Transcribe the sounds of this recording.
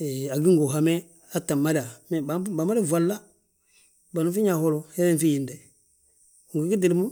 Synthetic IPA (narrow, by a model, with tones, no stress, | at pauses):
e˨a˨ɡi˦ŋɡo˨ɦa˨me˦ | a˦ta˨ma˦da˨m˦ba˨˦ba˨ma˦ɾe˦˨va˨lːa˦ | ba˨nu˦fi˦ɲa˨ho˦lo˨he˦e˦n˦fi˦ji˨nde˨ | ŋɡi˨˦ki˦di˨mu˦